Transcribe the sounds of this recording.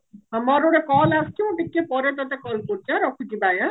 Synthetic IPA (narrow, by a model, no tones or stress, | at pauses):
ɦəmaɾoɽekɔlaskimũʈikːepɔɾet̪at̪ekɔlkoɾt͡ʃʰaɾɔkʰut͡ʃibaja